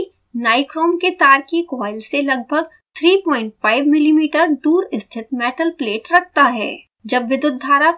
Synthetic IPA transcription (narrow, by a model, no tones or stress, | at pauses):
naːɪkɾoːmket̪aːɾkikɔːɪlselɐɡ̚bʱəɡ̚ | t̪ʰɾiːpɔ̃ːɪ̃ɳʈfaːɪʋmɪlimiːʈəɾd̪uːɾɪst̪ʰɪt̪mɛːʈəlpleːʈɾɐk̚ʰt̪aɦɛ̰ː | d͡ʒɐbʋɪd̪ʊd̪ʱːaːɾa